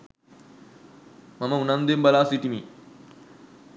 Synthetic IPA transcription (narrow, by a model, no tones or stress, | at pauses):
mɐmɐunɐnd̪embɐlaːsiʈimi